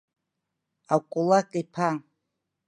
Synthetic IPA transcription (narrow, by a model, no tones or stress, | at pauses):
akʷʼulakʼaipʰa